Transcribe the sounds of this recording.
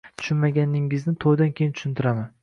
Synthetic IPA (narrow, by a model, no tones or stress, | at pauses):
t̪ʰʊ̥ʃʊnmaɡʲanɪŋɪznɪt̪ʰojd̪ankʲʰe̞jɪnt̪ʰʊ̥ʃɪnt̪ʰɪɾaman